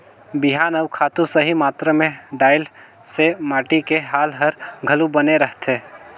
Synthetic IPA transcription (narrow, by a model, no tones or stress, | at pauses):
bɪɦaːnəʊkʰaːt̪ũsəɦimaːt̪ɾamẽɖaːɪl | semaːʈikeɦaːlɦəɾɡʱɐlubəneɾəɦt̪eː